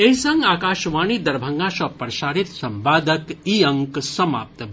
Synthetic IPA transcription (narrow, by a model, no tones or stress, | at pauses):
eɦisɐŋɡaːkaːʃʋaːnid̪ɐɾbʱɐŋɡãːʃɐpɾɐʃaːɾit̪sɐmbaːd̪ɐkiːɐŋksɐma̰ːp̚t̪